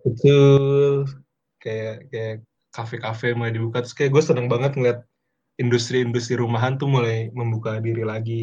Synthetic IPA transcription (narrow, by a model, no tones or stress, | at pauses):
bət̪ʊl | kajakaja | kafekafemulajdibukat̪ɾʊ̥skajaɡuasənaŋbaŋət̪̚ŋəliat̪̚ | indust̪ɾiːndust̪ɾiɾumaɦant̪ʊhmulajməmbukadiɾilaɡi